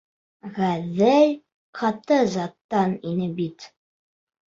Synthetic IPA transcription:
ʁæðːæj | qʰɑt̪ɤzɑt̪ːɑninɘbit̪

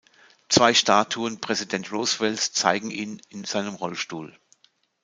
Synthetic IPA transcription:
t͡sv̥aɪʃtaːtʰuənpʁ̥ɛzidɛntʁoːsvɛlst͡sa̰ɪɡŋ̩ʔiːnɪnz̥aɪnəmʁɔlʃtuːl

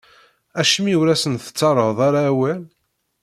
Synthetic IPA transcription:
æʃmiwɾæsənθə̥t͡sːɑɾˤːəðˤaɾaːwæl

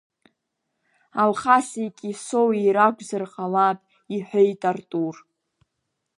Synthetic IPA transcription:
alχasikʼisowiɾaɡʷzɨrqʼalapʼ | iħʷᶣajtʼartʼur

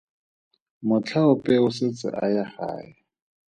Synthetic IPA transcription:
mʊt͡ɬʰaʊpʼɛʊsɪt͡sʼɪ̰ʔajaχa̰ːɪ

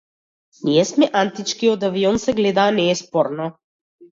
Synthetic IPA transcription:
nʲijɛsmɛʔant̪it͡ʃkiod̪aviɔnsɛɡlɛd̪aːnɛːspɔɾnɔ

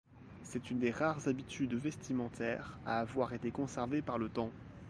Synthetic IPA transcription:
sɛt̪ynd̪eʁaʁzabit̪yd̪vɛst̪imɑ̃t̪ʰɛʁa̰ːvwaʁet̪ekɔ̃sɛʁvepaʁlət̪ɑ̃

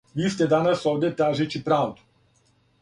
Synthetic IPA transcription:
vist̪ed̪anasɔd̪et̪aʒet͡ʃipɾant̪

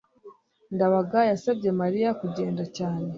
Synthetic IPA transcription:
ndaβaɡajasabɟe̞maɾijakuɟe̞ːndacaːne̞

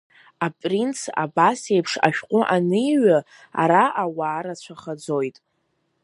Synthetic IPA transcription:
apʼrint͡sʰa̰basejpʰʂa̰ʃᶣqʷʼʊʔanɨiɥa | a̰ɾaʔawaːɾat͡ɕʷʰaχad͡zo̞jtʼ

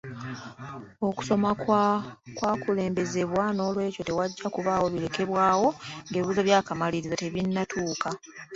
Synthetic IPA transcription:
o̞ku̥so̞mak | kwaːkule̞ːmbe̞ze̞βwano̞ːlwe̞ːco̞te̞waɟːakuβaːwo̞βile̞ke̞βwaːwo̞ŋɡeβiβuzoβjaːkamaliɾizate̞βinːatʰuːkʰa

